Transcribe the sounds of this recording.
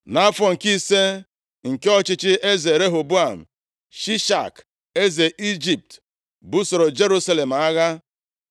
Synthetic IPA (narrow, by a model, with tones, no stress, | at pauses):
na˦fɔ˨ŋ̩˨ki˦se˦ | ŋ̩˨ke˦ɔ˦t͡ʃɪ˦t͡ʃɪ˦e˦ze˨ɾe˦ɦo˨bu˦a˨m̩˨ | ʃi˦ʃa̰˨k | e˦ze˨ʔi˦d͡ʒi˨p̚t | bu˦so˨ɾo˨d͡ʒe˦ɾu˦sa˦le˨m̩˨a˦ɣa˦